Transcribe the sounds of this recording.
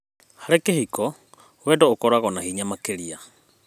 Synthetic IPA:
haɾɛkehikɔ | wɛdɔokɔɾaɣɔnahiɲamakeɾia

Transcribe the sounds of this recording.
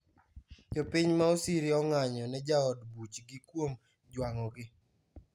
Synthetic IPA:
d͡ʒɔpiɲmaosiɾɪɔŋaɲɔnɛd͡ʒaɔdbut͡ʃɡikwom | d͡ʒwaŋɔɡɪ

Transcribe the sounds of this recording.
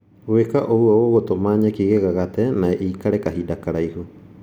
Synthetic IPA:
wekaʔowooβotomaːɲakiɣeɣaɣatenaeʔiːkaɾekaɦidakaɾaiɦu

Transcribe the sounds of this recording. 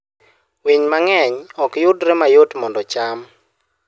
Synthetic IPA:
wiɲmaŋɛɲɔkjʊtɾɛmajotmɔndɔt͡ʃam

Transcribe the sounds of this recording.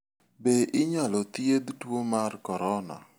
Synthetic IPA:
beʔɪɲalɔt̪jed̪twomarkɔɾɔna̰

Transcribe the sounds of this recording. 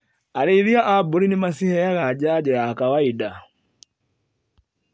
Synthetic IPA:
aliiɾiaʔabuɾinimasihɛjaɣad͡ʒaːd͡ʒɛjaːkawaida

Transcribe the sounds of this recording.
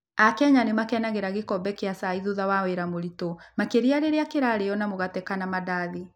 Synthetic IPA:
akɛɲanemakɛnaɣeɾaɣekɔbɛkeasaiðuðawaweɾamoɾitomakeɾiaɾeɾeakeɾaɾejɔnamoɣatɛkanamadaːði

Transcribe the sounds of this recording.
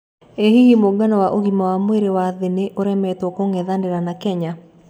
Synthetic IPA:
ehihimoɡanɔwaʔoɣimawamweɾewaðeneʔoɾɛmɛtwɔkoŋɛðandeɾanakɛɲa

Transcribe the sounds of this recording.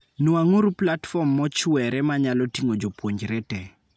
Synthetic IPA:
nuaŋuɾuplatfɔmːɔt͡ʃʊwɛɾɛmaɲalɔtiŋod͡ʒopwoɲd͡ʒɾɛtɛ

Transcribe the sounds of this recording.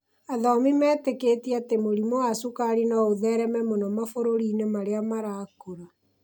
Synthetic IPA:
aðɔmimɛːtekeːtiatemoɾimowasukaɾinaoðɛɾɛmɛmonɔmafoɾoɾiːnemaɾeamaɾaːkoɾa

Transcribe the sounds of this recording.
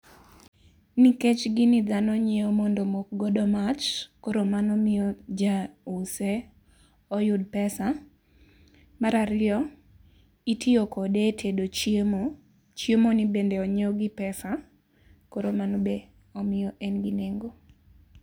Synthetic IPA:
niket͡ʃɡɪnid̪anɔɲeomondomok̚ɡɔdɔmat͡ʃkoɾomanɔmɪjɔd͡ʒause | ɔjʊdpɛsa | maɾaɾɪɔ | itʰɪokɔdetʰedot͡ʃm | t͡ʃjemonibendɛɔɲeɔɡɪpɛsa | koɾomanɔbe | ɔmɪjɔʔɛnɡineŋɡo

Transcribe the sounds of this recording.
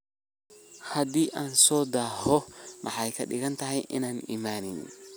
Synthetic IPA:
hɐd̪iːʔaːnsɔːd̪aːhɔmʔɑħɑjkʰɐ̰ɗɪɣɐnt̪ʰɐɦɛjʔɪ̰naːnḭːmaːnɪnn

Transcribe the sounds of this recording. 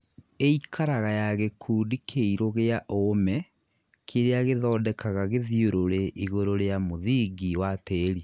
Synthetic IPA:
eikʰaɾaɣajaɣekʰuːdikʰeiɾoɣeaʔoːmɛ | kʰeɾeaɣeðɔːdɛkʰaɣaɣeðioɾoɾeʔiɣoɾoɾeamoðiɡiwateɾi

